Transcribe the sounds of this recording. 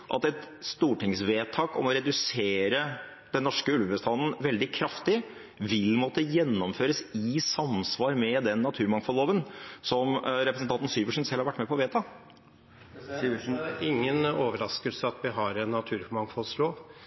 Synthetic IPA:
ʔɑ̰t̪ɛt̪ | st̪uːʈʰɪŋsʋeːt̪ʰɑːkɔ̰mɔɾɛd̪ʉseːɾə | d̪ɛnːɔʂkəʉlʋəbəst̪ʰɑnn̩ʋɛld̪ɪkʰɾɑft̪ɪ | ʋɪlmɔt̪əjɛnːɔmføːɾəsɪsɑmsʋɑːɾmɛd̪ɛnːɑt̪ʰʉːɾmɑŋfɔloːʋənsɔmɾɛpɾəsən̩t̪ɑnt̪n̩syːʋəʂnsɛlhɑɾʋæʈːmɛpʰɔʋeːt̪ʰɑː | sɪŋːənoːʋəɾɑskəlsəɑt̪ʋɪɦɑɾɛnːɑt̪ʰʉːɾmɑŋfɔlsloːʋ

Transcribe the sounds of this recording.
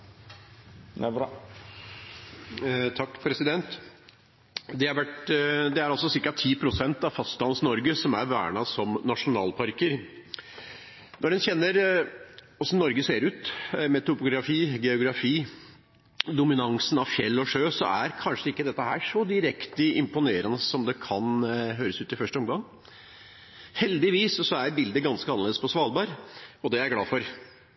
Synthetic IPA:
t̪ʰɑkːpʰɾɛsɪd̪ɛnt̪ | d̪ɛhɑɾʋæʈd̪ɛæɾɑlsɔsɪɾkɑt̪ʰːiːpʰɾʊsɛnt̪ɑʋfɑst̪ɑnsnɔɾɡəsɔmæ̰ɾʋæ̰ːɳɑsɔmnɑʂʊnɑ̰ːlpʰɑɾkəɾ | nʔɔɖɛnçɛnːəɾ | ɔsɔmnɔɾɡəseːɾʉːt̪mɛt̪ʊpʊɡɾɑfiːɡɛʊɡɾɑfiː | d̪ʊmɪnɑŋsənɑʋfjɛlːɔʂøːsɔ̰æɾkʰɑnʂəɪkːəd̪ɛt̪ːəɦæːʂɔd̪ɪɾɛkt̪əɪmpʊneːɾənəsɔmd̪ɛkʰɑnɦøːɾəsʉːt̪ɪfœʂʈəɔmɡɑŋː | hɛld̪ɪʋiːssɔæɾbɪld̪əɡɑnskəɑnəleːd̪əspʰɔsʋɑːlbɑːɾɔd̪ɛæɾɡlɑːfɔɾ

